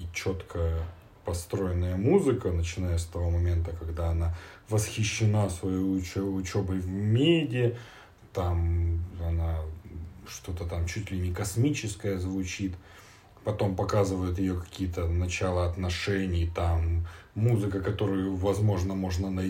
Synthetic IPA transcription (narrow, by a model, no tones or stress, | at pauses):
t͡ɕo̞t̪kʰə | pɐst̪ɾo̞jɪnːəjəmuzɨkənət͡ɕɪnajəst̪ɐvo̞mɐmʲe̞nt̪əkɐɡd̪aɐnavəsxʲɪɕːɪnasvɐjoʊt͡ɕo̞bɨjvʲmʲedʲɪ | t̪amɐna | ʂt̪o̞t̪ət̪amt͡ɕutʲlʲɪnʲɪkɐsmʲit͡ɕɪskəjəzvʊt͡ɕit̪ | pɐt̪o̞mpɐkazɨvəjɪt̪̬jɪjokɐ̥kʲijət̪ənɐt͡ɕalˠəɐt̪nɐʂɛnʲɪjt̪amːuzɨkəkɐt̪o̞ɾʊjʊvɐzmo̞ʐnəmo̞ʐnənɐ